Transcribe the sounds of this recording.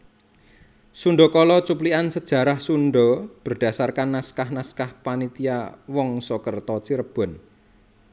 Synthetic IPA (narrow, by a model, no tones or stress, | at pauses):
suɳɖɔkɔlɔt͡ʃupliansəd̥ʒ̥ä̤ɾahsunɖɔb̥ərd̥a̤sarkanːaskahnaskahpanit̪iawɔŋsɔkərt̪ɔt͡ʃiɾəb̥ɔ̤n